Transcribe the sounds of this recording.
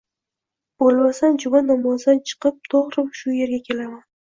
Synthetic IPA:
b̥olmasand͡ʒʊbanɒmɒzd̪ant͡ʃʰɨ̥qɨp̚t̪ʰoʁɾɪmʃʊje̞ɾɡʲakʲʰe̞laman

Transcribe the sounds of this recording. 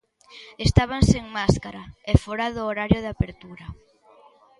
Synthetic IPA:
est̪aβ̞anseŋmaskaɾaɛfɔɾaðʊːɾaɾjʊðapeɾt̪uɾɐ

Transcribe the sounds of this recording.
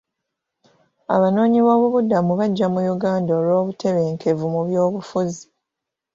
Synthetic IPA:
a̰βano̞ːɲiβo̞ːβuβudamuβaɟːamujuɡaːndaolwo̞ːβutʰe̞βe̞ːŋkʰe̞vumuβjo̞ːβufuzi

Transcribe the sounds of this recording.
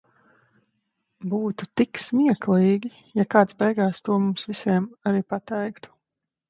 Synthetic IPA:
buːt̪u̥t̪iksmiɛklˠiːɡʲi | jakaːt̪sbɛjɡaːst̪uɔmumsvisʲiɛmaɾiːpat̪ɛjkt̪u̥

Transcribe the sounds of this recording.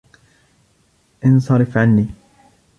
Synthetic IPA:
ʔɪnsˤɑɾɪfʕanːiː

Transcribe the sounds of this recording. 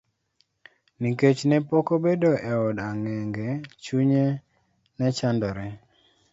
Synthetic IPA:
niket͡ʃnɛpɔkobedoʔɛɔdaŋɛŋɡɛt͡ʃuɲe | nɛt͡ʃandɔɾɛ

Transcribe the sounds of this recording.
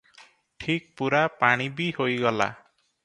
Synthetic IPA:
ʈʰik̚puɾapaɽ̃ibihojɡɔla̰

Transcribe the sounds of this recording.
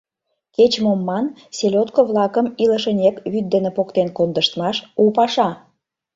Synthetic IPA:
ket͡ɕmomːɑn | selʲot̪̚koβlɑkəmiləʃənʲekβyt̪̚d̪enepokt̪enkond̪əʃt̪mɑʃupɑʃɑ

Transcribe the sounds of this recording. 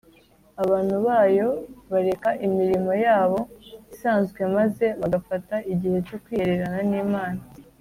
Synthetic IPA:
aβaːn̥huβaːjo̞βaɾe̞kaʔimiɾimo̞jaːβo̞isaːnzɡwe̞maze̞βaɡafataiɟihe̞co̞kwiːheɾe̞ɾananiːmaːna

